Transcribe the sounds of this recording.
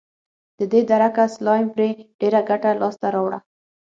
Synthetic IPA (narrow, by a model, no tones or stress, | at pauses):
d̪̥əd̪ed̪aɾakaslɑjmpɾeɖ̥eɾaɡaʈalɑst̪aɾɑwɽa̰